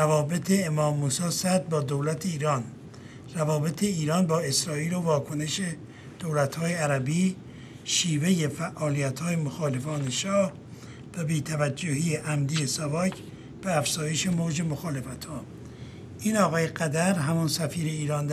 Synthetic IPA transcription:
ævɒːbe̞t̪ʰeːmɒːmːuːsɒːsæd̪̚bɒːd̪owlæt̪ʰeiːɾɒːn | rævɒːbe̞t̪ʰe̞iːɾɒːnbɒːe̞sɾɒːiːlovɒːkʰone̞ʃe | d̪̥owlæt̪hɒːje̞æɾæbiː | ʃiːve̞je̞fæʔɒːlijæt̪hɒːjemoxɒːle̞fɒːneʃɒːh | væbiːt̪ʰævæd͡ʒːohiːeʔæmd̪iesɒbɒːcʰ | b̥eæfz̥ɒːje̞ʃe̞moːd͡ʒe̞moxɒːle̞fæt̪hɒː | ʔiːnɒːɣɒːjeɡæd̪æɾɦæmunsæfiːɾe̞iːɾɒːnd̪

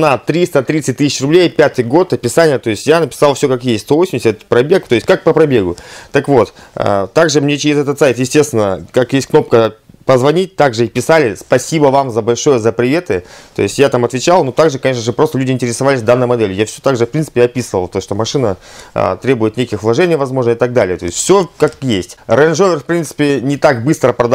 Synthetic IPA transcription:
nɐt̪ɾʲist̪ət̪ɾʲit̪sɨt̚ʲt̪ɨsʲɪ̥t͡ɕrʊblʲejpʲat̪ɨjɡo̞t̪ɐpʲɪsanʲɪjət̪o̞ɪsʲtʲjanəpʲɪ̥salˠfsʲo̞kakjestʲst̪ovosʲɪmdʲɪsʲət̪pɾɐbʲe̞kt̪o̞jɪsʲtʲkak̚pəpɾɐbʲe̞ɡʊt̪əkvo̞t̪ə̰t̪ːaɡʐɨmnʲet͡ɕɪɾʲɪzɛt̪ət̪saɪt̪jɪsʲtʲe̞st̪vʲɪnːəkakjesʲt̚ʲkno̞p̚kəpəzvɐnʲit̚ʲt̪aɡʐɨɪpʲɪsalʲɪspɐsʲibəvamzəbɐlʲʂo̞jəzəpɾʲɪvʲet̪ɨt̪o̰ɪsʲtʲjat̪amɐt̪vʲɪt͡ɕalˠnut̪aɡʐɨkɐnʲeʂnəʐɨpɾo̞st̪əlʲʉdʲɪnʲtʲɪɾʲɪsɐvalʲɪsʲd̪anːəjmɐd̪ɛlʲɪjafsʲɵt̪aɡʐɨfpɾʲinsɨ̥pʲɪjɐpʲisɨvəlˠt̪oʂt̪omɐʂɨnə̰t̪ɾʲe̞bʊjɪt̪nʲekʲɪxvlˠɐʐɛnʲɪjvɐzmo̞ʐnəɪt̪aɡ̚d̪alʲɪjət̪o̞ɪsʲt̪ʲfsʲokakjesʲtʲrənʐovʲɪrfpɾʲint̪sɨ̥pʲɪnʲɪt̪akbɨst̪ɾəpɾɐd̪

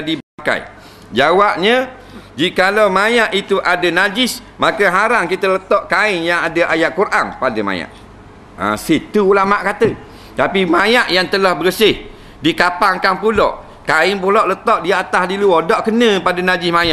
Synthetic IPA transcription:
dibaka̰j | d͡ʒawap̚ɲə | d͡ʒikalawmajaʔit̪uʔadənad͡ʒɪs | makəɦaɾaŋkit̪ələt̪ɔʔkaɪnjaŋadəʔajaʔkuɾʔaŋpadəma̰ja̰ʔ | a̰sit̪ulamaʔkat̪ə | t̪apimajaʔjaŋt̪əlahbəɾəsɪh | dikapaŋkanpulɔ̰ʔ | kaɪnp̬ulɔʔlət̪ɔʔdiat̪asdiluodɔʔkənə̃padanad͡ʒɪsmajaʔ

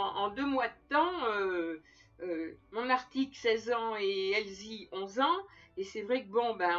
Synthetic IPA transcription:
ɑ̃d̪ømwad̪ət̪ɑ̃ø | ømɔ̃naʁt̪iksɛzɑ̃eɛlziɔ̃zɑ̃esɛvʁɛk̚əbɔ̃bɛ

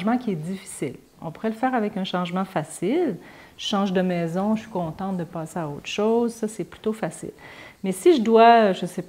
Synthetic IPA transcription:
ʒmɑ̃kʲiɛd̪d͡zifi̥sɪ̰l | ɔ̃puʁɛləfɛːʁavɛkɛ̃ʃɑ̃ʒmɑ̃fasɪl | ʒ̥əʃɑ̃ʒd̪əmɛːzɔ̃ʃɥi̥kɔ̃t̪ɑ̃t̪̚d̪əpɑːseaoːt̪χʃozsʌsɛply̥t̪ofasɪ̰lmɛsiʒəd̪waʒəsep

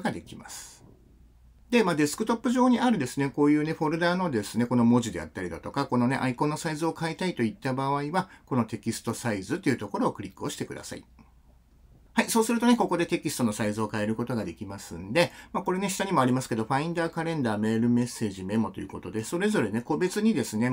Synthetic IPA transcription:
ɡad̪e̞kʲima̰sɨ̥ | d̪e̞maːd̪e̞sɨ̥kɯ̟t̪o̞pːɯ̟ʑo̞ːɲ̟iaɾɯ̟d̪e̞sɨne̞ko̞ːjɯ̟ːne̞ɸo̞ɾɯ̟d̪aːno̞d̪e̞sɨne̞ko̞no̞mo̞ʑid̪e̞̰a̰t̪ːaɾʲid̪at̪o̞kako̞no̞ne̞̰ʔaikõ̞nːo̞saizɨo̞kait̪ait̪o̞it̪ːabaβ̞aiβako̞no̞t̪e̞kʲisɨ̥t̪o̞saizɨt̪ːe̞iɯ̟t̪o̞ko̞ɾo̞ːkɯ̟ɾʲikːɯo̞ɕi̥t̪e̞kɯ̟d̪a̰sa̰ḭ | haiso̞ːsɨɾɯ̟t̪o̞neko̞ko̞d̪e̞t̪e̞kʲisɨ̥t̪o̞no̞saizɨo̞kae̞ɾɯ̟ko̞t̪o̞ɡad̪e̞kʲimasɨ̰̃nd̪e̞mako̞ɾe̞neɕi̥t̪aɲ̟imo̞aɾʲimasɨ̥ke̞d̪o̞ɸaĩnd̪aːkaɾẽ̞nd̪aːme̞ːɾɯ̟me̞sːe̞ːʑime̞mo̞t̪o̞jɯ̟ːko̞t̪o̞d̪e̞so̞ɾe̞zo̞ɾe̞ne̞ko̞be̞t͡sɨɲ̟id̪e̞sɨne̞

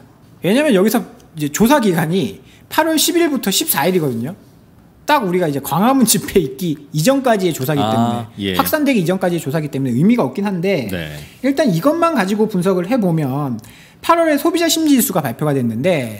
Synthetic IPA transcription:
we̞ɲaːmjʌnjʌɡisʰʌid͡ʑe̞t͡ɕosʰaɡiɡaɲi | pʰaɾʌɭɕʰibiɭbutʰʌɕʰip̚s͈aiɾiɡʌdɯɲo | t͈aɡuɾiɡaid͡ʑe̞kwaŋɦamund͡ʑipʰe̞ik̚k͈iid͡ʑʌŋk͈ad͡ʑie̞t͡ɕosʰaɡit͈emunehaks͈andwe̞ɡiːd͡ʑʌŋk͈ad͡ʑie̞t͡ɕosʰaɡit͈e̞mune̞ɯjmiɡaʌk͈̚inɦande̞̰iɭt͈aniɡʌnmankad͡ʑiɡopuns̬ʰʌɡɯɭɦe̞bomjʌn | pʰaɾwʌɾe̞sʰobid͡ʑaɕʰimd͡ʑiɭs͈uɡapaɭpʰjoɡadwe̞nːɯnde̞

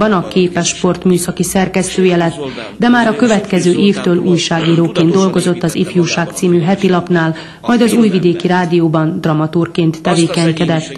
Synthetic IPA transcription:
bɒnɒkeːpɛʃpo̞rt̪myːsɒkisɛrkɛst̪øːjɛlɛt̪ː | d̪ɛmaːɾɒkø̞vɛt̪kɛzøːʔeːft̪øːluːjʃaːɡiːɾoːkeːnd̪d̪o̞lɡo̞zo̞t̪ːɒzifjuːʃaːkt̪siːmyɦɛt̪ilɒpnaːl | mɒjd̪ɒzuːjvid̪eːkiɾaːd̪ijoːbɒnd̪rɒmɒt̪uːrkeːnt̪ːɛveːkɛɲkɛd̪ɛt̪ː

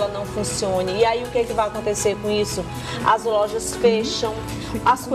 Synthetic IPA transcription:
lɐnɐ̃w̃fũsiõnɪːaiʊkekɪvajakõnt̪eseɾkõisʊ | ɐ̰zlɔʒɐsfeʃɐ̃w̃ | ɐsk

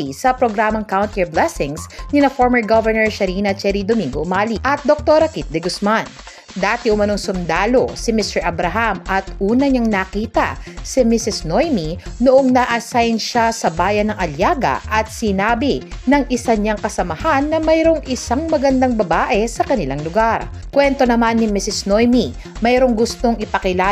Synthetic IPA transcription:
isɐpɾoɡɾaːmɐŋkawnt̪ɛɹblɛsɪŋsnɪnɐfoɹmɛɹɡovɛɹnɛɹʃɐɾiːnɐt͡ʃɛɾid̪omiŋɡomaːliʔɐt̪̚d̪ok̚t̪oɾɐkit̪̚d̪ɛɡʊsman | d̪aːt̪ɪʔʊmɐnoŋsʊmd̪aːlo̞sɪmɪst̪ɛɹʔɐbɾɐɦamʔɐt̪ʔuːnɐɲaŋnɐkiːt̪ɐ̰sɪmisɪsnojminʊʔo̞ŋnɐʔɐsajnʃasɐbaːjɐnːɐŋʔɐljaːɡɐ̰ʔɐt̪̚sɪnaːbinɐŋʔɪsɐɲaŋkɐsɐmɐhanːɐmɐjɾo̞ŋʔɪsaŋmɐɡɐnd̪aŋbɐbaːʔɛsɐkɐnɪlaŋlʊɡaɾ | kwɛnt̪o̞nɐmanːɪmisɪsno̞jmi | mɛjɾoŋɡʊst̪o̞ŋʔɪpɐkɪlaː

